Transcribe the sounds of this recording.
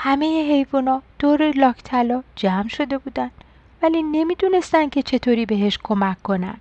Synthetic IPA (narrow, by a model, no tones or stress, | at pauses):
hæme̞jeɦe̞jvunɒːd̪̥oːɾelɒːkʰt̪ʰælɒːd͡ʒæmʃo̞d̪e̞buːd̪ænd̪ | væliːne̞miːd̪une̞st̪ænd̪̚cʰe̞t͡ʃʰe̞t̪ʰoːɾiːbe̞ɦe̞ʃkʰomækʰːo̞næ̰nd̪̥